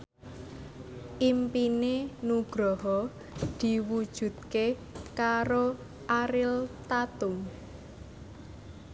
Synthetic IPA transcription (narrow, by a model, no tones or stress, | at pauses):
ʔimpinenuɡ̥ɾɔɦɔ | d̪̥i̤wud̥ʒ̥ṳd̪̚kekaɾo | ʔaɾɪlt̪at̪ʊm